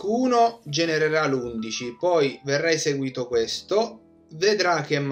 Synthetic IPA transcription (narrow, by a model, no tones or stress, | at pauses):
uːnod͡ʒɛneɾeɾalund̪it͡ʃipɔjverːajseɡwiːt̪okwest̪o | ved̪ɾak̟ɛmː